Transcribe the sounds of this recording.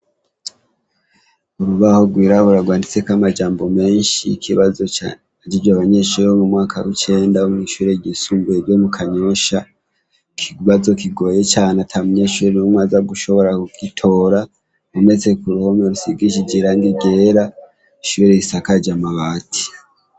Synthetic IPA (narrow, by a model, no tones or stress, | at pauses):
uɾuβaho̞ɡwiːɾaβuɾaɡwaːndit͡se̞kamad͡ʒaːmbo̞me̞ːnʃḭkʰiβazo | d͡ʒid͡ʒwaβaɲe̞ːʃuɾeomumŋaːkʰawit͡ʃe̞ːndaumŋiʃuɾe̞jisuːmɡuebjomukʰaɲo̞ʃa | kʰiβazo̞kiɡo̞ːje̞t͡ʃaːneatʰamuɲeʃuɾenumwaːzaɡuʃo̞βo̞ɾakuɡ̥itʰo̞ːɾa | ume̞t͡se̞kuɾuhomoɾusiɡiʃ̬id͡ʒeɾaŋɡiɡe̞ːɾa | iʃuɾe̞isakad͡ʒamaβaːtʰi̥